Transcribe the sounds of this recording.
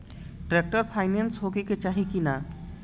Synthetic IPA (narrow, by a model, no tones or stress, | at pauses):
ʈɾek̚ʈəɾpʰaɪnensɦokeket͡ʃaːɦikina